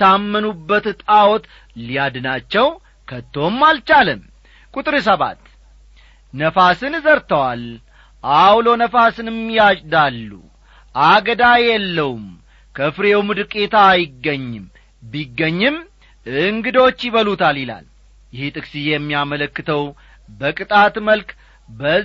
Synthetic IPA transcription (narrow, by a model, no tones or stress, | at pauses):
amːənubːət̪t̪ʼawɔt̪ | lijad̪ɨnat͡ʃːɛw | kʰət̪ːo̞mːalt͡ʃalɨm | kʼut̪ʼɾis̬əβa̰t̪ | nəfasɨnzəɾt̪əwal | ʔawlo̞nəfasɨnmːijat͡ʃʼd̪alːṵ | ʔaɡəd̪ajɛlːəwum | kʰəfɾeumud̪ɨkʼːe̞t̪ʰajɪɡːəɲːɨm | biɡːəɲːɨm | ɨŋɡɨd̪o̞t͡ʃːjɪβəlut̪ʰalɪla̰l | jɪhit̪ʼɨksijɛmːijamələkːɨt̪ʰəw | bəkʼɨt̪ʼat̪məlk | bə